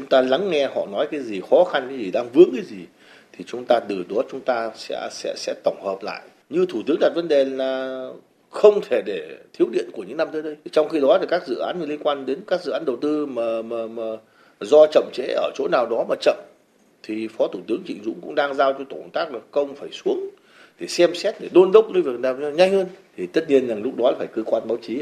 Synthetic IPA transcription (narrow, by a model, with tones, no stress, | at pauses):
t͡ɕŋ͡mt̪aː˧la˨˦ŋːɛ˧hɔ̰˧˨nɔ˨˦jkaː˨˦jzi˨˩xɔ˨˦xa˧nkaː˨˦jzi˨˩ɗaː˧ŋvɨ˨˦˥əŋkaː˨˦jzi˨˩ | t̪ʰi˨˩t͡ɕʊ˨˦ŋ͡mt̪aː˧t̪ɨ˨˩ɗo˨˦t̚t͡ɕʊ˨˦ŋ͡mt̪aː˧sɛ̰˧˥sɛ̰˧˥sɛ̰˧˥t̪ə˧˩wŋ͡mhəː˨˩p̚la̰ː˧˨jʔ | ɲɨ˧t̪ʰu˧˩t̪ɨ˨˦əŋɗa˨˩t̚və˨˦nɗe˨˩laː˨˩ | xə˧wŋ͡mt̪ʰe˧˩ɗe˧˩t̪ʰi˨˦əwɗḭ˧˨ənku˧˩əɲɨ̰˧˥ŋna˧mt̪əː˨˦jɗə˨˧˦jt͡ɕɔ˧wŋ͡mxi˧ɗɔ˨˦t̪ʰi˨˩kaː˦˥k̚zɨ̰˧˨ʔaː˨˦nɲ˧li˧ənkwaː˧nɗe˨˦nkaː˦˥k̚zɨ̰˧˨ʔaː˨˦nɗə˨˩wt̪ɨ˧maː˨˩maː˨˩maː˨˩ | zɔ˧t͡ɕə̰˧˨ŋ͡mt͡ɕḛ˧˥ʔəː˧˩t͡ɕo̰˧˥naː˨˩wɗɔ˨˦maː˨˩t͡ɕə̰˧˨m | t̪ʰi˨˩fɔ˨˦t̪ʰu˧˩t̪ɨ˨˦əŋt͡ɕḭ˧˨ŋ̟zʊ̰˧˥ŋ͡mkʊ̰˧˥ŋ͡mɗaː˧ŋzaː˧wt͡ɕɔ˧t̪o˧˩nt̪aː˦˥k̚laː˨˩kə˧wŋ͡mfaː˧˩jsu˨˦əŋ | ɗe˧˩sɛ˧msɛ˦˥t̚ɗe˧˩ɗo˧nlə˦˥k͡p̚ə˧vi˨˩ək̚naː˨˩wɲa˧jŋ̟həː˧nt̪ʰi˨˩t̪ə˦˥t̚ɲi˧ənzaː˨˩ŋlʊ˦˥k͡p̚ɗɔ˨˦laː˨˩faː˧˩jkəː˧kwaː˧nɓaː˨˦wt͡ɕi˨˦